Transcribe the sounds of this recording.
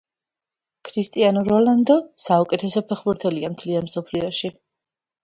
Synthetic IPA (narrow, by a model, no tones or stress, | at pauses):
kʰɾist̪ʼianɔɾɔland̪ɔsaukʼɛt̪ʰɛsɔpʰɛχbuɾt̪ʰɛliamt̪ʰlianmsɔpʰliɔʃi